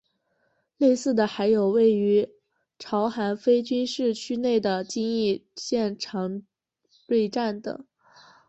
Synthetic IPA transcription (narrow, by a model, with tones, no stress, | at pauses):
le˥˧ɪsɹ̩˥˩d̪ə˩xa˧˥ɪjo˨˩ʊwe˥˩ɪy˧˥ | ʈ͡ʂʰɑ˧˥ʊxa˧˥nfe˥ɪt͡ɕy˥nʂɻ̩˥˩t͡ɕʰy˥ne˥˩ɪd̪ə˩t͡ɕi˥ŋi˥˧ɕjɛ˥˩nʈ͡ʂʰɑ˧˥ŋ | twe˥˧ɪʈ͡ʂa˥˩nd̪ə̰˨˩